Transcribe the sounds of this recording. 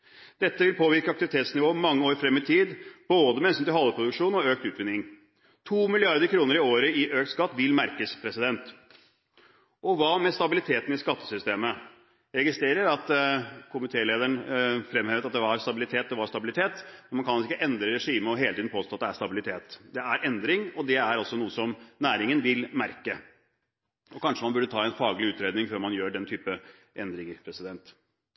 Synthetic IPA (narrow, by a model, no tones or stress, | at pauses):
d̪̥ɛt̪ːəʋɪlpʰoːʋɪɾkəɑkt̪ɪʋɪt̪ʰeːt̪snɪʋoːmːɑŋːəoːɾəfɾɛmːɪt̪ʰiːd̪b̥oːd̪əmɛɛnsmt̪ɪlhɔlːəpʰɾʊd̪ʉkʂuːnɔøːk̚t̪ʉːt̪ʋɪnɪŋ | t̪ʰuːmɪlɪɑɾd̪əɾkʰɾuːnəɾɪoːɾəɪʔøːk̚t̪skɑt̪ːʋɪlmæɾkəspʰɾɛsɪd̪ɛnt̪ | ʔɔʋɑmɛst̪ɑbɪlɪt̪ʰeːt̪n̩ɪskɑt̪ːə̥sʏst̪eːmə | ɾɛɡɪst̪ɾeːɾəɾɑt̪kʰʊmɪt̪ʰeːleːd̪əɳfɾɛmheːʋət̪ɑt̪̚d̪ɛʋɑɾst̪ɑbɪlɪt̪ʰeːt̪̚d̪ɛʋɑɾst̪ɑbɪlɪt̪ʰeːt̪mɛnmɑnkʰɑnɪkːəʔɛnd̪ɾəɾɛʂiːməɔɦeːlt̪iːd̪npoːst̪oːt̪d̪ɛæʂst̪ɑbɪlɪt̪ʰeːt̪d̪ɛæɾʔɛnd̪ɾɪŋɔd̪ɛæɾɑlsɔnuːəsɔmnæːɾɪŋənʋɪlmæɾkə | ɔkʰɑnʂəmɑnbʉɖət̪ʰɑːɛnfɑːɡlɪʉːt̪ɾeːd̪nɪŋføːɾmɑnjøːɖɛnt̪ʰyːpə | ʔɛnd̪ɾɪŋəɾpʰɾɛsɪd̪ɛnt̪